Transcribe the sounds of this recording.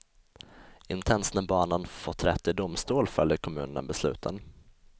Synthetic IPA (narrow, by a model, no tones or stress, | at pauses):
ɪnt̪ʰɛnsnəbɑːnənfot̪ʰːɾɛt̪ːɪd̪ʊmst̪uːlfœljəɾkʰɔmʉ̟ːnənə̰bɛslʉ̟ːt̪ʰə̰n